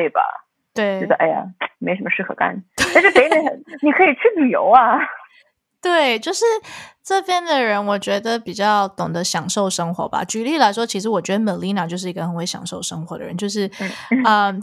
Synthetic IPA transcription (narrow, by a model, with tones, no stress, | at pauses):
we˥˩ɪbɐ̰˩ | t̪we˥˩ɪ˧˥d̪ə˧ʔa˥˧ɪja̰˧˩me˧˥ɪʂə˧˥mə˧ʂɻ̩˥˩kʰɤ˧˩ka̰˥˩nt̪we˥a˥˧ʂ̩˥˩e˧˥ɪ˥me˧˥xə˧˦nni˨˩kʰɤ˧˥i˨˩t͡ɕʰy˥˩li˨˩jo˧˥ʊɐ˧ | t̪we˥˩ɪt͡ɕjo˥˧ʊʂɻ̩˥˧ʈ͡ʂɤ˥˧pʰjɛ˥˩nd̪ə˨ɻə˧˥nwɔ˨˩t͡ɕɥɛ˧˥d̪ə˧˨pi˨˩t͡ɕjɑ˥˩ʊt̪ʊ˨˩ŋd̪ə˦ɕjɑ˨˩ŋʂo˥˩ʊʂɤ˥ŋxwɔ̰˧˥bɐ̰˧t͡ɕy˧˥li˥˩la˧˥ɪʂwɔ˥t͡ɕʰi˧˥ʂɻ̩˧˥wɔ˨˩t͡ɕɥɛ˧˥d̪ə˧˩mə˨˩nli˧˥na˨˩t͡ɕjo˥˧ʊʂ̬̩˥˩i˧˥ɡə˧xə˧˥nwe˧˥ɪjɑ̰˨˩ŋʂo˥˩ʊʂɤ˥ŋxwɔ˧˥d̪ə˧ɻə̰˧˦nt͡ɕjo˥˧ʊʂ̬ɻ̩˥˩˥ | ə˧˩